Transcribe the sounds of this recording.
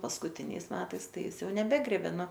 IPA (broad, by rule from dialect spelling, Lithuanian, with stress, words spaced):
pɐskʊˈtʲɪnʲɛɪs ˈmʲæːtɐɪs ˈtɐɪ ˈjɪs ˈjɛʊ nʲɛˈbʲæːɡrʲeːbʲeː ˈnʊ